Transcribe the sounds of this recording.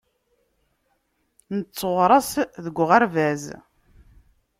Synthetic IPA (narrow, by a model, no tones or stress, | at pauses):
nət͡sːəʁɾˤɑsðəɡʷːʁaɾvæz